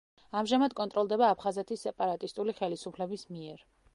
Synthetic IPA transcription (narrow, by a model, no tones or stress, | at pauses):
amʒamad̪̚kʼɔnt̪ʼɾɔlˠd̪ɛbaːpʰχazɛt̪ʰisːɛpʼaɾat̪ʼist̪ʼuliχɛlisupʰlɛbismiɛɾ